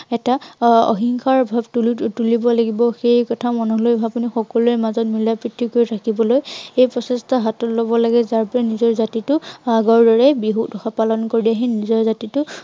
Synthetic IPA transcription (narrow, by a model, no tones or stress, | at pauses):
ɛtaɔ̰ɦiŋkʰaɹbʱabtultulibɔlaɡibɔxejkɔtʰamɔnɔɦlojapunixɔkɔluɛmazɔt̚milapɹitʰːikoɹiɹʰakibɔlojejpɹɔsɛstɔɦatɔtlɔbɔlaɡɛzaɹpɔɹanizɔɹzatitʊaɡɔɹdɔɹɛbiɦukdɔxapalɔnkoɹdiaɦinizɔɹzatitʊ